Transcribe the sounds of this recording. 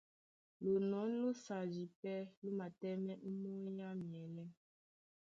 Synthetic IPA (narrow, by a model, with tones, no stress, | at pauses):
lo˨nɔ˨˦n˦lo˦sa˨d͡ʒi˨pɛ˦lo˦ma˨tɛ˦mɛ˦m̩˦mo˦ja˦mjɛ˨lɛ˦